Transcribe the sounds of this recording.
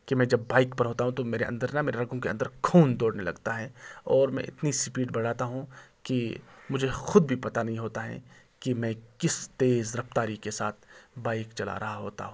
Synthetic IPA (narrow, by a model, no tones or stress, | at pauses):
kimɛ̃ːd͡ʒɐbːaːɪkpɐɾɦoːt̪aɦũt̪omeːɾeʔɐ̰̃nd̪əɾnɐmeːɾeɾɐɡõkeɐ̰̃nd̪əɾkʰuːnd̪oːɽnelɐ̰ɡt̪aɦɛɔːɾmɛ̰̃ʔɪ̰t̪nisɪpiːɖbɐɽ̤aːt̪aɦũkimʊd͡ʒʱexʊd̪̚bʱipɐt̪anɐɦĩɦoːt̪aɦɛ̰kimɛ̃ːkɪst̪eːzɾɐft̪aːɾikesaːt̪ʰbaːɪkt͡ʃɐla̰ɾɐɦaɦoːt̪a̰ɦũː